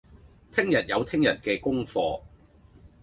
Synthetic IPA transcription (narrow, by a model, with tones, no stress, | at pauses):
t̪ʰɪ˥ŋjɐ˨˩t̚jɐ˨˧wt̪ʰɪ˥ŋjɐ˨˩nkɛː˧kʊ˥ŋfɔː˧